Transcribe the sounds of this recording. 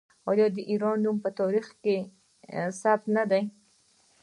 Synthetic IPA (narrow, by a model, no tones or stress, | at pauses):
ɑjɑd̪əʔiɾɑnːumpət̪ɑɾixke | sap̚t̪nad̪aj